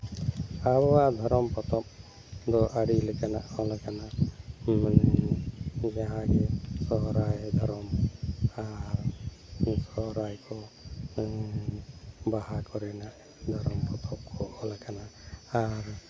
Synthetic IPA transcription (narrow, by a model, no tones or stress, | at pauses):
aβɔad̪ʱɔɾɔmpɔt̪ɔp̚ | d̪ɔʔaɽilekana̰ʔɔlakana | n | d͡ʒaɦãɡɛsɔɦɔɾajd̪ʱɔɾɔm | aɾ | sɔɦɔɾajkʰɔ | bahakɔɾɛnaʔ | d̪ʱɔɾɔmpɔt̪ʰɔp̚kʰɔʔɔlakanaː | ɾ